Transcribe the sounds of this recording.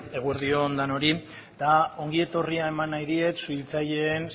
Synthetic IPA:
e̞ɣ̞ueɾðio̞nd̪ano̞ɾi | d̪ao̞ŋɡie̞t̪o̞riae̞manːajðie̞t̪suilt͡saʎe̞ːn

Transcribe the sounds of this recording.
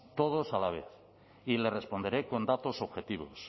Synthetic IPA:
t̪oð̞o̞salaβ̞e̞̰θ | ile̞re̞spo̞nd̪eɾe̞ko̞nd̪at̪o̞soβxe̞t̪iβo̞̰s

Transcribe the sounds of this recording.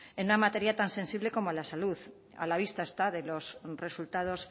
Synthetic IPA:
enunamat̪e̞ɾjat̪anse̞nsiβle̞ko̞moalasaluθ | a̰laβ̞ist̪aest̪aðe̞lo̞sre̞sult̪að̞o̞s

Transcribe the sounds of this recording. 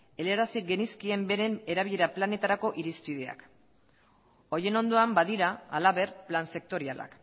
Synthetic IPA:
e̞leɾasiɡe̞niskie̞mbe̞ɾe̞neɾaβiʎe̞ɾaplane̞t̪aɾako̞ʔiɾispið̞e̞a̰k | o̞je̞no̞nd̪o̞ambaðiɾaːlaβe̞ɾplanse̞k̚t̪o̞ɾiala̰k

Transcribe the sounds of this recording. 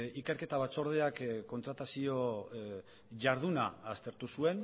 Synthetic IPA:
ikeɾke̞t̪aβ̞at͡so̞ɾð̞eakko̞nt̪ɾat̪asio̞ | ʝaɾð̞unaːst̪e̞ɾt̪usue̞n

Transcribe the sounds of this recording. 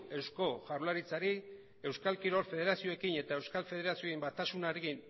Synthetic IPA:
e̞wsko̞ʝaɾlaɾit͡saɾi | e̞wskalkiɾo̞lfe̞ð̞e̞ɾasio̞ekine̞t̪ae̞wskalfe̞ð̞e̞ɾasioimbat̪asunaɾeɣin

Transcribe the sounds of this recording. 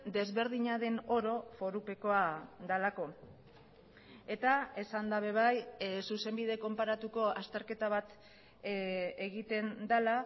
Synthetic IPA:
d̪e̞zβe̞ɾðiɲaðe̞no̞ɾo̞fo̞ɾupe̞ko̞ad̪alako̞ | e̞t̪ae̞sand̪aβe̞β̞ajsuse̞mbiðe̞ko̞mpaɾat̪uko̞ast̪eɾke̞t̪aβ̞at̪ | eɣit̪e̞nd̪ala

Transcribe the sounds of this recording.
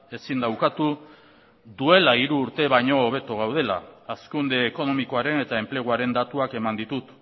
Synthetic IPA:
e̞sind̪awkat̪u | ðue̞laiɾuːɾt̪e̞βajɲo̞ːβ̞e̞t̪oɣ̞awð̞e̞la̰ːskund̪e̞ːko̞no̞miko̞aɾe̞ne̞t̪ae̞mple̞ɣ̞uaɾe̞nd̪at̪uake̞mand̪it̪ut̪

